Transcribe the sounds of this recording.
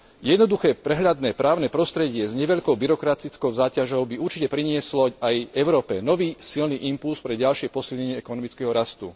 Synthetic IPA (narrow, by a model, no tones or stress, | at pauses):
jɛd̪nɔd̪uxɛːpɾɛɦlʎad̪nɛːpɾaːʊnɛːpɾɔst̪ɾɛɟɪɛzɲɛʋɛʎkɔʊbiɾɔkɾat͡sit͡skɔʊzaːcaʒɔʊbiuɾt͡ʃicɛpɾiɲɪɛslɔajɛʊɾɔːpɛnɔʋiːsilniʔimpulspɾɛɟalʃɪɛpɔsilɲɛɲɪɛɛkɔnɔmit͡skɛɦɔɾast̪ṵ